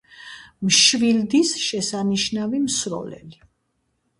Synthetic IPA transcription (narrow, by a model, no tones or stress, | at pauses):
mʃvild̪isʃɛsaniʃnavimsɾɔ̰lɛ̰li